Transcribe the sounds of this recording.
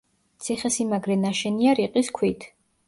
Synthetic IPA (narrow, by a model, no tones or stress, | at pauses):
t̪sʰiχɛsimaɡɾɛnaʃɛniaɾiqʼiskʰwit̪ʰ